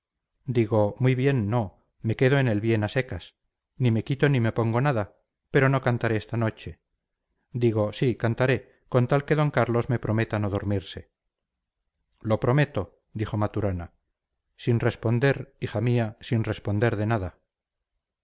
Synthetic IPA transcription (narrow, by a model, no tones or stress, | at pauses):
d̪iɣo̞mujβje̞nːo̞ | me̞ke̞ðoene̞lβje̞nase̞kas | nime̞kit̪o̞nime̞po̞ŋɡo̞naða | pe̞ɾo̞no̞kant̪aɾeest̪ano̞t͡ʃe̞ | d̪iɣ̞o̞sikant̪aɾe̞ | kont̪alke̞ðo̞ŋkaɾlo̞zme̞pɾo̞me̞t̪ano̞ðoɾmiɾse̞ | lo̞pɾo̞me̞t̪o̞ | d̪ixo̞mat̪uɾana | sinre̞spo̞nd̪e̞ɾixamiasinre̞spo̞nd̪e̞ɾðe̞naða